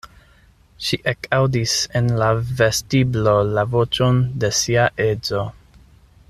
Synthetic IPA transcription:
ʃiʔekʰawdise̞nlave̞stiblo̞lavo̞t͡ʃonde̞siaʔe̞zo̞

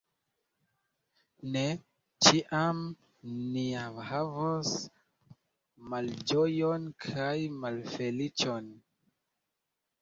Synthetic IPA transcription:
ne | t͡ʃiʔam | niamhavos | mald͡ʒojonkʰajmalfe̞lit͡ʃon

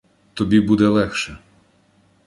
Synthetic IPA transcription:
t̪ɔbʲibud̪ɛlˠɛxʃɛ

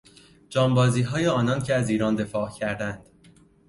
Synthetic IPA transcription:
d͡ʒɒːmbɒːziːɦɒːjeɒːnɒncʰeæziːɾɒːnd̪e̞fɒːʔcʰæɾd̪ænd̪̥

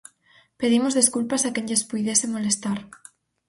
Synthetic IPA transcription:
peðimozðeskulpasakeɲʎespujðesemolest̪aɾ

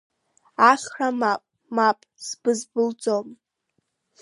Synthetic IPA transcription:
aχʲramapʼ | mapʼz̥bɨzbɨld͡zom

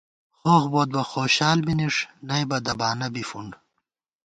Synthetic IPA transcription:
xoxboːd̪̚bɐxoːɕaːlminiʂnɐjbɐd̪ɐbaːnɐbifuɳɖ

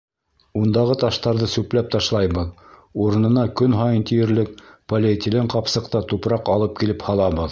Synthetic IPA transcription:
und̪ɑʁɤt̪ɑʃt̪ɑɾðɤsʉplæp̚t̪ɑʃlˠɑjbɤðuɾɤ̆nɤ̆nɑkɵnɦɑjɤnt̪ijɘ̆ɾlɘk̚polʲet̪ʲilɘɴqɑpsɤ̆qt̪ɑt̪upɾɑqɑlˠɤp̚kilɘphɑlˠɑbɤð

